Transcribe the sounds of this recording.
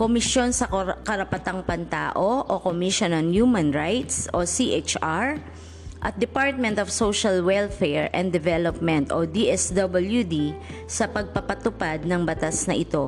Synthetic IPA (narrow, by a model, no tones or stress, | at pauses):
komɪsjo̞nsɐkɐɾɐpɐt̪aŋpɐnt̪a̰ːʔo̞ʔokomiʃonɐnjuːmɐnɹajt̪sʔosiʔet͡ʃaɹ | ʔɐt̪̚d̪ɛpaɹt̪̚mɛ̃nt̪ofsoʃɐlwɛlfɛɹʔɛ̃nd̪ɛvɛlopmɛ̃nt̪o̰d̪iʔɛsd̪ɐbɐljud̪isɐpɐɡ̚pɐpɐt̪ʊpad̪̚nɐŋbɐt̪asnɐʔɪt̪o̞